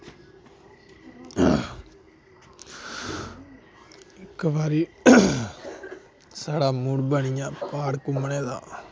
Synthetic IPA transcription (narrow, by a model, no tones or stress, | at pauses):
ɪkbaːɾiː | saːɽaːmuɽbənɪjãːpaːɽkʊməneːd̪a̰ː